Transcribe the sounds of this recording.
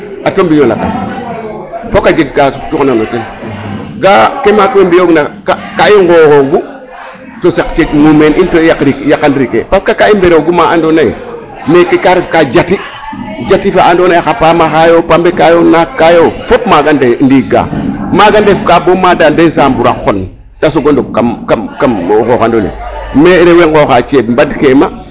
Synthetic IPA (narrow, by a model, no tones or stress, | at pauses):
atombiɲola̰ka̰s | fokad͡ʒeɡːasu̥t͡ʃuknonoten | ɡakemaːkwembioɡnakakaiŋɡoɣoɡu | sosekt͡ʃekmumenʔintokɾikjakːandɾikḛpaskakaimbeɾoɡumaʔandonaj̰ | mekːekaɾefkad͡ʒati | d͡ʒatifaandonajxapaːmaxajopambekajonakːajofop̚maɡandendiɡa̰ːmaɡandefkabomadandesambuɾaxon | d̥as̬oɡondokamkamkamxoxandolḛmeɾeweŋɡoxat͡ʃebmbadkema